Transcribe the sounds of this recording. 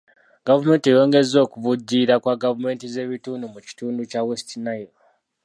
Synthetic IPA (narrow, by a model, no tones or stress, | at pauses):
ɡ̥avume̞ːntiejo̞ːŋɡe̞zo̞ːkuvuɟiɾakwaɡavume̞ːntize̞ːβituːndumuci̥tuːnducawestinajo